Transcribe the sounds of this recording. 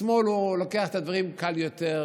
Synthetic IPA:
mo̞lulokeaχet̪ad̪vaʁimkaljot̪eʁ

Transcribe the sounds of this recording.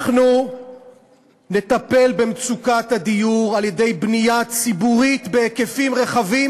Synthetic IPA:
χnu | ne̞t̪ape̞lbe̞mt͡sukat̪had̪ijuʁalje̞de̞jbnijat͡sibuʁit̪beke̞fimʁe̞χavi

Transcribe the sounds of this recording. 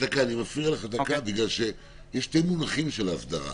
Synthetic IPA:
akaːnimafʁialeχad̪akabiɡlalʃe̞ | jeʃtejmunaχimʃelaːvd̪aʁa̰

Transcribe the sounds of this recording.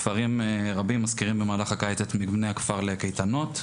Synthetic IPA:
faʁimʁabimːaskiʁimbemaːlaχakajt̪et̪mibnejakfaʁlekejt̪ano̞t̪

